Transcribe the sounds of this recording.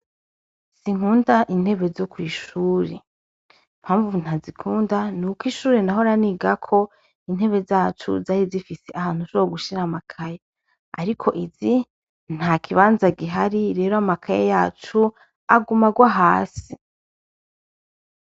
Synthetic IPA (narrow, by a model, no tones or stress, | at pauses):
siŋ̥uːndaʔin̥e̞βe̞zo̞kwiːʃuːɾe | m̥haːɱvun̥hazikʰuːndanukiʃuːɾenaɦo̞ɾaniɡakʰo̞ | in̥he̞βe̞zaːt͡ʃṵzaːɾizifise̞ʔahaːn̥huʃooɡuʃiɾamakʰaje | a̰ɾikʰo̞ʔizi | n̥hakʰiβaːnzaɡiɦaɾiɾe̞ɾoamakʰajejaːt͡ʃu | aɡumaɡwaɦaːsi